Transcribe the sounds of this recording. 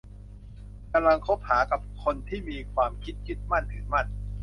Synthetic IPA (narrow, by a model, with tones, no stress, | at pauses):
ka˧mla˧ŋkʰo˦˥p̚haː˩˦ka˨˩p̚kʰo˧nt̪ʰiː˥˩miː˧kʰwaː˧mkʰi˦˥t̪̚kʰi˦˥t̪̚ma˥˩nt̪ʰɯː˩˦ma˥˩n